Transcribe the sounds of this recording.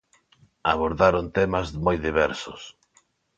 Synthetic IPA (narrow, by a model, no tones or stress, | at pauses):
aβoɾðaɾont̪emazmojðiβ̞ɛɾsʊs